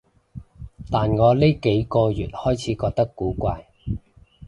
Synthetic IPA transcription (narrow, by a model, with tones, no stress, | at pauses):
t̪aː˨nŋɔː˨˧li˥jke˨˥jkɔː˧jyː˨t̚hɔː˥jt͡sʰiː˨˥kɔː˧k̚t̪ɐ˥kːuː˨˥kʷaː˧j